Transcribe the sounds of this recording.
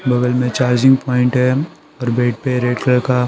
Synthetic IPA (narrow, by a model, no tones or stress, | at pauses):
bɐɡəlmẽt͡ʃaːɾd͡ʒɪ̃ŋɡ̚pɔːɪ̃ɳʈɦɛ | ɔːɾbeːʈ̚peɾeːɖkəɾka